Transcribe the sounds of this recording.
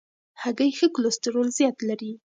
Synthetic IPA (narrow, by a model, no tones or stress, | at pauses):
haɡajxəklost̪ɪɾolzjɑt̪laɾi